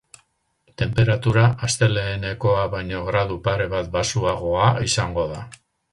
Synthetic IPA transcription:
t̪e̞mpe̞ɾat̪uɾaʔast̪e̞le̞ːne̞ko̞aβajɲo̞ɣɾaðupaɾe̞βat̪̚basuaɣ̞o̞aisaŋɡo̞ða

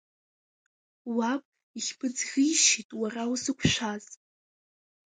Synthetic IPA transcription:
wapʼ | iχʲpʰɨd͡zɣʲijʃitʼwarawusɨkʷʰʃʷaz

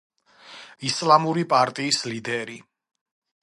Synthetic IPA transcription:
islamuɾipʼaɾt̪ʼiːslid̪ɛɾi

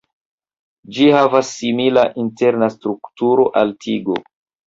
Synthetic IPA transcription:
d͡ʒihavasːimilaʔinte̞ɾnastɾuktuɾo̞ʔaltʰiɡo̰

